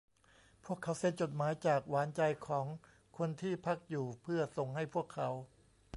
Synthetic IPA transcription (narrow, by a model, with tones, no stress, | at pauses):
pʰu˥˩əkʰːa˦˥wse˧˥˩nt͡ɕo˨˩t̪̚maː˩˦jt͡ɕaː˨˩k̚waː˩˦nt͡ɕa˧jkʰɔː˩˦ŋ | kʰo˧nt̪ʰiː˥˩pʰa˦˥˩k̚juː˨˩pʰɯ˥˩ɐso˨˩ŋha˥˩jpʰu˥˩əkʰːa˩˦˥w